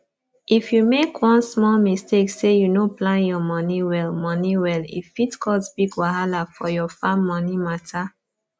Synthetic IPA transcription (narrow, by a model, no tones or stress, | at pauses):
ifjumekʰwɔ̃nsmɔlmisteksejunoplãnjɔmɔniwɛlmɔniwɛlḭfitkʰɔsbiɡwaɦalafɔjɔfãmːɔnimatʰa